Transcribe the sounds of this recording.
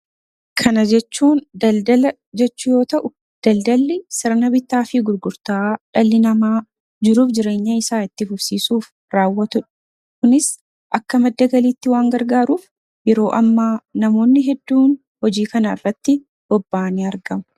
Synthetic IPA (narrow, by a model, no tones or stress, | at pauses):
kʰɐnɐd͡ʒɛt͡ʃːuːndɐd̪ɐlɐ | d͡ʒɛt͡ʃːʊjo̞ːt̪ɐʔʊ | d̪̥ɐld̪ɐlːɪsɪɾnɐbɪt̪ːaːfɪɡʊɾɡʊɾt̪aːᶑɐlːɪnɐmaː | d͡ʒɪɾuːfd͡ʒɪɾe̞ːɲːɐɪsaːɪt̪ːɪfʊbsiːsuːf | ɾaːwːɐt̪ʊᶑɐ̥ | kʊnɪs | ʔɐkːɐmɐd̪ːɐɡɐliːt̪ːɪwaːŋɡɐɾɡaːɾuːf | jɛɾo̞ːʔɐmːaːnɐmo̞ːnːɪɦɛd̪ːuːn | hɔd͡ʒiːkɐnɐɪ̰rːɐt̪ːɪ | b̥ɔbːaːniɐɾɡɐmɐ̥